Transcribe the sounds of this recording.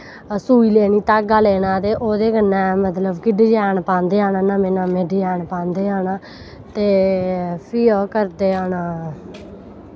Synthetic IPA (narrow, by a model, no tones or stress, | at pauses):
suːiːleːniːt̪aːɡaːleːnãːt̪eːʔoːd̪eːɡənːɛ̃ːmət̪ləbkɪɖeːd͡ʒɛːnpãːnd̪eːaːnaːnaːmeːnãːmeːɖiːjɛːɳpãːnd̪eːɦaːnaː | t̪eː | pʰiːoːkəɾd̪eːaːnaː